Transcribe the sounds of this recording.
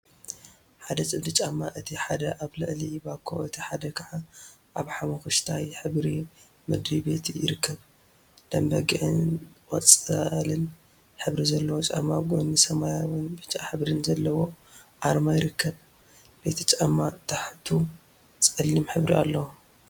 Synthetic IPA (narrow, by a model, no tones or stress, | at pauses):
ħad̪ɐt͡sʼɨbd̪ɨt͡ʃʼamːaʔɨt̪ʰiħad̪ɐʔaβlɨʔlibakʰo̰ɨt̪ʰiħad̪ɐkʰaʕa | ʔaβħamɐxɨʃt̪ʰajħɨβɾi | mɨd̪ɾibe̞t̪jɪɾɨkʰːɐβ | d̪̥ɐmbɐɡɨʔɨnwɐt͡sʼɐlɨn | ħɨβɾizɐlːɐwot͡ʃʼa̰mːaɡʼonːɨsɐmajawɨnbɨt͡ʃʼaħɨβɾɨnzɐlːɐwo̞ | ʕaɾmajɪɾɨkʰːɐβ | b̥e̞t̪ʰɐt͡ʃʼamːat̪ʰaħt̪ʰu | t͡sʼɐlːimħɨβɾḭa̰lːɐwu